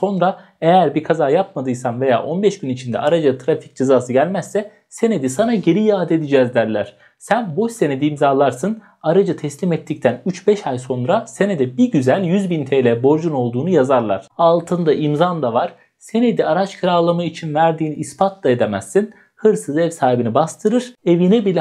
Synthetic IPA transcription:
so̞nɾa | ejæɾbikʰazaːjap̚mad̪ɯjsanve̞ja̰ːʔo̞nbɛʃɟynit͡ʃʰind̪ɛ̰aɾad͡ʒat̪ʰɾafi̥c̚d͡ʒezaːsɯɟælʲmæsːɛ | se̞ne̞d̪isanaɟe̞ɾijaːd̪ed̪id͡ʒɛːzd̪æɾlʲæɾ̝̥ | sænboʃse̞ned̪iːmzaːlˠaɾsɯn | aɾad͡ʒɯt̪ʰɛslʲimɛt̪ʰːic̚t̪ʰænyt͡ʃbɛʃajso̞nɾase̞ned̪ɛbiɟyzælʲjyzbint̪ʰejlʲɛbo̞ɾd͡ʒuno̞lˠd̪uːnujazaɾlˠa̰ɾ̥alˠt̪ʰɯnd̪aʔimzand̪avaɾ̥ | se̞ne̞d̪iaɾat͡ʃkʰɯɾalˠamait͡ʃʰinvæɾd̪iːniːspʰat̪ʰlˠaed̪emæsːin | hɯɾsɯzɛvsaːɦibinibast̪ʰɯɾɯɾ̥e̞vinɛbilʲɛ

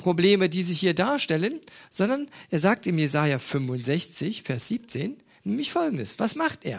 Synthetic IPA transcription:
pʁ̥obleːmədiːzihiːɐdaːɐʃtɛlənz̥ɔndɐnʔeːɐzaːk̚tɪmjezaːjafʏmvʊntz̥ɛçt͡sɪçfɛɐsz̥iːp̚t͡seːn | nɛːmlɪçfɔlɡŋ̩dəsv̥asmaχtʔeːɐ

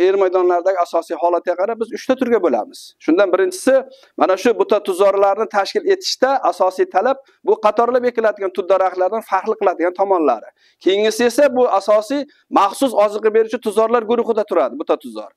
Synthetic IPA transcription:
eɾmajd̪ɒnlaɾd̪aɡʲɪasɒsijɦɒlˠat̪̚ɡaqʰɑɾap̚bɪzʊʃt̪ʰat̪ʰʊɾɡʲabola̰mɪz̥ʃʊnd̪anbɪɾɪnt͡ʃʰɪ̥sɪ | manaʃʊbʊt̪ʰat̪ʰʊzɒɾlaɾnɪt̪ʰaʃkʲɪle̞t̪ʰɪ̥ʃt̪aʔasɒsijt̪ʰalap̚ | bʊqɑt̪ʰɒɾlape̞kʲɪlad̪ɪɡʲant̪ʰʊd̪̚d̪aɾaχlaɾd̪anfaɾqlˠɨqʰɨlˠad̪ɪɡʲant̪ʰɒmɒnla̰ɾɪ | kʲʰejɪŋɪsɪe̞sabʊasɒsij | maχsʊsɒzɨqɨbe̞ɾʊt͡ʃʰat̪ʰʊzɒɾlaɾɡʊɾʊχɨd̪at̪ʰʊɾad̪ɪbʊt̪at̪ʰʊzɒ̰ɾ

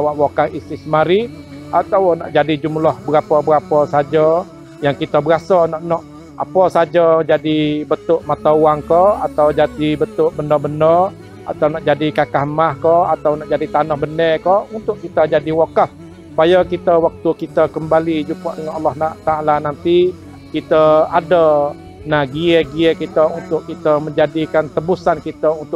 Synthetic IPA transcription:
lawaʔwakahisisəmaɾi | ʔat̪awnɔ̰ʔd͡ʒadid͡ʒumlahbəɾapəbəɾapɔsad͡ʒə | jaŋkit̪əbəɾasənɔʔnɔʔ | apɔsad͡ʒəd͡ʒadibət̪ʊʔmat̪auaŋkɔat̪awd͡ʒadibət̪ʊʔbəndɔbəndɔ | a̰t̪awnɔʔd͡ʒadikakaɦmahkɔat̪awnɔʔd͡ʒadit̪anɔhbəndəkɔʔunt̪ʊʔkit̪əd͡ʒadiwokəh | su̥pajakit̪əwak̚t̪ukit̪əkəmbalid͡ʒupaʔdəŋanɑlːahnaʔt̪aalanant̪i | kit̪əadə | nahɡiəɡiəkit̪əunt̪ʊʔkit̪əməɲd͡ʒadikant̪əbusankit̪əunt̪ʊ

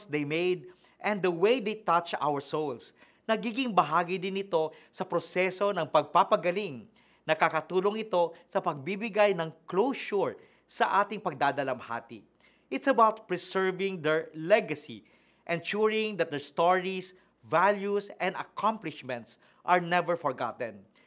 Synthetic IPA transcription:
sd̪ejmejd̪̚ | ʔɛ̃nd̪d̪ɐwejd̪ejt̪at͡ʃa̰wəɹsowls | nɐɡiːɡɪŋbɐɦaːɡɪd̪ɪnɪt̪o̞sɐpɾosɛso̞nɐŋpɐɡ̚papɐɡɐlɪŋ | nɐkakɐt̪uːloŋɪt̪o̞sɐpɐɡ̚bibɪɡajnɐŋklowʃʊɹ | sɐʔaːt̪ɪŋpɐɡ̚d̪aːd̪ɐlɐmha̰ːt̪ḭ | ʔɪt̪sɐbawt̪̚pɹɛsɛɹvɪŋd̪ɛɹlɛɡɐsḭ | ʔɛ̃nʃuɹɪ̃ŋd̪ɐt̪̚d̪ɛɹst̪oɹis | valjusɛ̃nd̪ɐ̰kʰãmplɪʃmɛ̃nt̪s | ʔɐɹnɛvɛɹfɔɹɡa̰t̪ɛ̃n

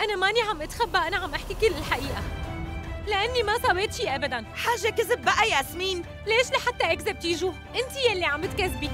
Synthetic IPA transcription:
ʔanamaniʕamʔat̪xabːaʔanaʕamʔaħkikɪlːɪlħaʔiːʔa | lɪʔanːimasˤɑweːt̪fiʔabad̪anħaːʒːakɪzɪb̚ːaʔajaːsmiːn | leːʃlaħat̪ːaʔakzab̚t̪iːʒu | ʔɪnt̪ijalːiʕamɪt̪̚kazbi

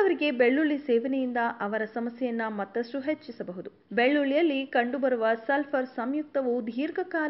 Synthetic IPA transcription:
ɐʋɐɾiɡe̞beɭːuɭisɛːʋɐnɛjind̪ɐʔɐʋɐɾɐsɐmɐsjɛjɐnːɐmɐt̪ːɐsʈuɦet͡ʃːisɐbɐɦud̪u | beɭːuɭijɐlːikɐɳɖubɐɾuʋɐsɐlpʰɐɾsɐmjuk̚t̪ɐʋud̪ʱiːɾɡɐkaː

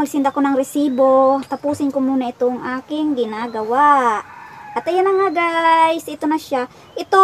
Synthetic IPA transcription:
alsɪnd̪ɐkonɐŋɾɛsiːbot̪ɐpuːsɪnkomuːnɐʔɪt̪oŋʔaːkɪŋɡɪnaɡɐwaʔʔɐt̪ɐjanɐŋaɡajsɪt̪onɐʃa | ʔɪt̪o

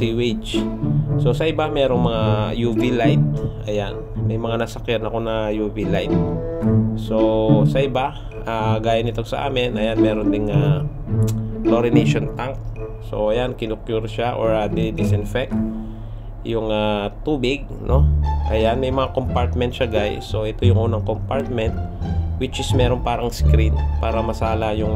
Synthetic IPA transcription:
siwɪt͡ʃ | so̞sɐʔɪbamɛːɾo̞ŋmɐŋajuːvilajt̪̚ʔɐjanmɐjmɐŋanɐsɐkjanɐko̞nɐjuːvilajt̪̚ | so̞sɐʔɪba | ʔaːɡaːjanɪt̪osɐ̰ʔa̰ːmɪnʔɐjanmɛːɾond̪ɪŋa | kloɾɪnejʃont̪aŋk̚so̞̰ʔɐjankɪnʊkjuɾʃaʔoɹad̪ɛd̪ɪsɪnfɛk̚t̪̚ | jʊŋat̪uːbɪɡ̚nʔo̞ʔɐjanmɛjmɐŋakompaɹt̪̚mɛnt̪ʃɐɡajso̞ʔɛt̪o̞jʊŋʔuːnɐŋkompaɹt̪̚mɛnt̪̚wɪt͡ʃɪsmɛːɾo̞npaːɾɐŋskɾinpaːɾɐmɐsaːlajʊŋ

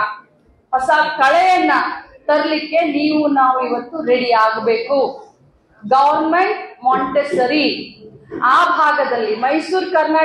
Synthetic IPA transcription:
pɐsaːd̪kɐɭɛjɐnːɐt̪ɐɾɐlikːe̞niːʋunaːʋuiʋɐt̪ːuɾeɽiaːɡbeːku | ɡɐʋɐɾnmeɳʈmaːɳʈesɐɾi | aːbʱaːɡɐd̪ɐlːimɐjsuːɾkɐɾnaː

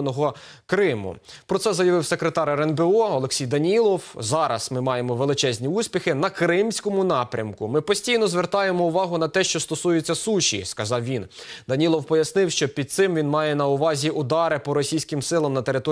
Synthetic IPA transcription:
nɔɦɔkɾɪmʊ̰pɾɔt̪sɛzɐjɐʋɪwsekɾet̪ɑɾɛɾɛnbeɔɔlˠeksʲijd̪ɐnʲilˠɔwzɑɾɐ̰smɪmɑjemɔʋelˠɪt͡ʃɛzʲnʲiusʲpʲixɪnɐkɾɪmsʲkɔmʊnɑpɾʲɐ̰mkʊmɪpɔsʲtʲijnɔzʋert̪ɑjemɔʊʋɑɦʊnɐt̪ɛʃt͡ʃɔst̪ɔsujet͡sʲːɐsuʃʲḭskɐzɑwʋʲind̪ɐnʲilˠɔwpɔjɐsnɪwʃt͡ʃɔpʲid̪̚t̪sɪmʋʲinmɑjɛnɐʊʋɑzʲiʔʊd̪ɑɾɪpɔɾɔsʲijsʲkɪmsɪlˠɐmnɐt̪e̞ɾɪt̪ɔ

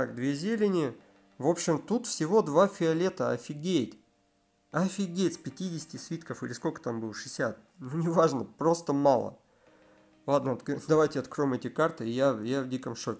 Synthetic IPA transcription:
akd̪vʲezʲelʲɪnʲɪ | vo̞pɕːɪmt̪ut̪fsʲɪvo̞d̪vafʲɪɐlʲe̞t̪əɐ̰fʲɪɡʲejt̪ʲ | ɐfʲɪɡʲejt̪sʲpʲɪtʲidʲɪsʲɪ̥tʲɪsvʲit̪kəfilʲɪsko̞lʲkə̥t̪ambɨlˠʂɨsʲat̪̚ | nunʲɪvaʐnəpɾo̞st̪əmalˠə̰ | lˠad̪nəɐt̪d̪ɐvajtʲɪɐt̪kɾo̞jɪmɛtʲɪkart̪ɨɪjajavdʲikəmʂotʲɪ

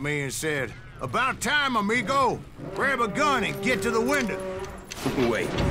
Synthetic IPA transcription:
miɨ̃nsɛɾ | ʔəbaʊtʰãɪ̃məmiɡoʊ | pʰɹɛɨbəɡʌ̃nɨ̃nɡɛtɨðəwɪ̃ndoʊ | ʊpəweɪ

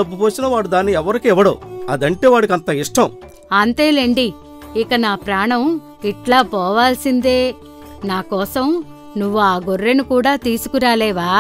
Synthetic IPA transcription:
ɐbːupoːsinɐʋaːɽud̪aːnːiɛʋɐɾikiɛʋɐɽo̰ːɐd̪ɐɳʈe̞ːʋaːɽikiɐnt̪ɐiʂʈʰɐm | ɐnt̪e̞ːleːɳɖi | ikɐnaːpɾaːɳɐm | iʈlaːpɔːʋaːlsind̪e̞ː | naːkɔːsɐm | nuʋːuaːɡorːenukuːɽaːt̪iːsu̥kuɾaːlɛːʋaː

